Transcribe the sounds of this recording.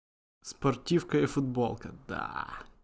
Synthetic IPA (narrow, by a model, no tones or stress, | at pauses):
spoɾt̪ʲifkɐifʊd̪bɔlˠkəd̪a̰